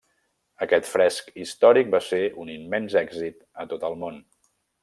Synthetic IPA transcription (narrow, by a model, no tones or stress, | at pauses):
əkɛt̪fɾɛskist̪ɔɾik̚baseunimːɛnzɛɡzit̪ | ət̪ot̪əlˠmon